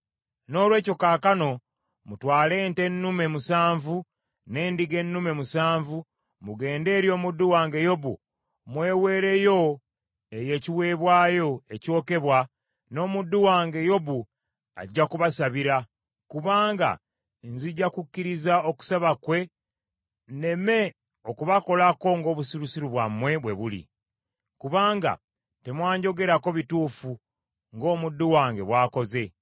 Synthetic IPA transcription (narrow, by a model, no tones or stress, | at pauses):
no̞ːlwe̞ːco̞kaːkano̞ | mutwaːle̞ːnte̞nːume̞musaːɱvu | ne̞ːndiɡe̞nːume̞musaːɱvu | muɡe̞ːnde̞ːɾjo̞ːmudːuwaːŋɡe̞jo̞βṵ | mwe̞ːwe̞ːɾe̞jo̞ | e̞je̞ːciwe̞ːβwaːjo̞e̞co̞ːke̞βwa | no̞ːmudːuwaːŋɡe̞jo̞βu | a̰ɟːakuβasaβiɾa | kuβaːŋɡa̰ | nziɟːakucːiɾizao̞ku̥saβakwe̞ | ne̞me̞ | okuβako̞lako̞ŋɡo̞ːβusiɾusiɾuβwamːwe̞βwe̞βulḭ | kuβaːŋɡa̰ | te̞mwaːɲɟo̞ɡe̞ɾako̞βituːfu | ŋɡo̞ːmudːuwaːŋɡe̞βwaːko̞ze̞